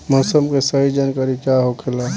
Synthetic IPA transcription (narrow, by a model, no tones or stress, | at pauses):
mɔːsəmkesəɦid͡ʒankəɾikjaɦokʰɪla